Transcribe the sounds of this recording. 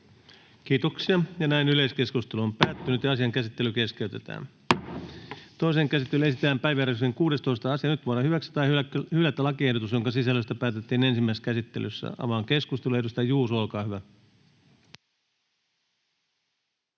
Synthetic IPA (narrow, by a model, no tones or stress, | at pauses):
kiːt̪oksiɑjɑnæinyle̞jske̞skust̪e̞luompæːt̪ːynyt̪jɑɑsiɑŋkæsit̪ːe̞lyke̞ske̞yt̪e̞t̪æ̰ːn | t̪o̞iseːŋkæsit̪ːelyesit̪æːmpæjʋæɾekseŋkuːde̞st̪o̞ist̪ɑɑsiɑnyt̪ʋunɑhyʋækst̪ɑjhylæt̪ːlɑkie̞hdot̪usjo̞ŋkɑsisælːøst̪æpæːt̪et̪ːiːne̞nsimːæiskæsit̪ːe̞lysːæ̰ɑ̰ʋɑːŋke̞skust̪elue̞hdust̪ɑjuːsolkɑːhyʋæ